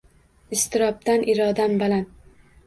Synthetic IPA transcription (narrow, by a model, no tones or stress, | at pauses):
ɪst̪ɪɾɒp̚t̪anʔɪɾɒd̪ambalan